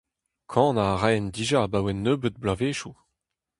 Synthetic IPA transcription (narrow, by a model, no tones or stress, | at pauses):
kʰɑ̃ːnaʁɛnd̪iʒabawɛnːøːbət̪̚blaveːʃu